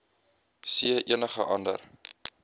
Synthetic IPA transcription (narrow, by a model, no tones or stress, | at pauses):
siəʔiənəχəʔɐndə̰r